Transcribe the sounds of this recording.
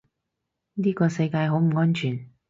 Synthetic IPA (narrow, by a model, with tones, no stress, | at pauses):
niː˥kɔː˧sɐ˧jkaː˧jɦo˨˥wm̩˨˩ŋɔː˥nt͡ʃʰyː˨˩n